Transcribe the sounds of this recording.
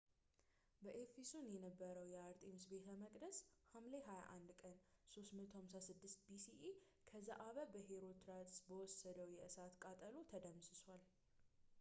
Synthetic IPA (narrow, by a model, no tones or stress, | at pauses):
bəʔefisonjɛnəbːəɾəwjɛaɾt̪ʼimsbe̞t̪ʰəməkʼd̪əshamleɦaja̰ʔand̪kʼənsost̪mət̪hamsasɨd̪ːɨst̪̚bisiʔi | kʰəzaʔaβəbəɦeɾo̞t̪ʰɾat̪ʼsbəwɔsːəd̪əwjɛʔɨsat̪kʼat̪ʼəlot̪ʰəd̪əmsɨswal